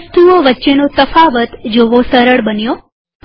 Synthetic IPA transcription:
st̪ioʋətːʃenot̪əfaʋət̪d͡ʒoʋosəɾəɭbənjo

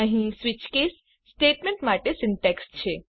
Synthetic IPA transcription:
əɦĩsʋɪt͡ʃkesː | ʈeʈmẽɳʈmaʈesɪɳʈekst͡ʃʰe

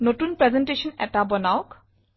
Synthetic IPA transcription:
notunpɹɛzɛnʈeʃɔnɛ̰tabɔnaʊk

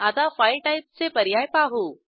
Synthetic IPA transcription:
at̪afajʈajp̚sepəɾjajpaɦo

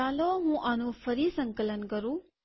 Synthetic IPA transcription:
aːloɦũːʔanũfʰəɾisəŋkələnkəɾũ

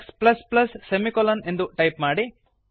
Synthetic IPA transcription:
ksplɐsplɐsːemikolɐnend̪uʈɐjpmaːɽi

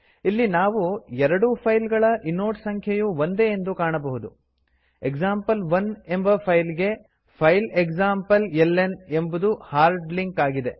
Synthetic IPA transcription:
ilːinaːʋuɛɾɐɽupʰɐjlɡɐɭɐʔinːoːʈsɐŋkʰjɐjuʋond̪e̞ːnd̪ukaːɳɐbɐɦud̪u | eɡzaːmpɐlʋɐne̞mbɐpʰɐjlɡe̞ | pʰɐjleksaːmpɐlelːene̞mbud̪uhaːɾɖliŋkaːɡid̪e̞

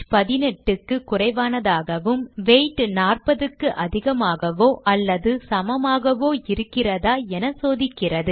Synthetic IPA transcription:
pɐðɪnɛʈːɯkːɯkʊrɐɪʋaːnɐðaːɣɐʋɯmʋeːʈːnaːrpɐðɯkːɯʔɐðɪɣɐmaːɣɐʋoːʔɐlːɐðɯsɐmɐmaːɣɐʋoːɪɾɯkːɪrɐðaːɛnɐsoːðɪkːɪrɐðɯ

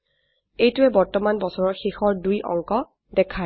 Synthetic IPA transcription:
ejtʊɛbɔɹtɔmanbɔsɔɹɔɹxixɔɹdujʔɔ̰ŋkɔ | dɛkʰa

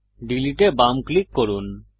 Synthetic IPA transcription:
ɖiliʈebamklikːɔɾun

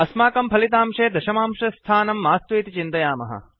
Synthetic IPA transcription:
ɐsmaːkɐmpʰɐlit̪aːmʂeːd̪ɐʃɐmaːmʂɐst̪ʰaːnɐmːaːst̪ʋiːt̪it͡ʃint̪ɐjaːmɐ̰ɦɐ̰

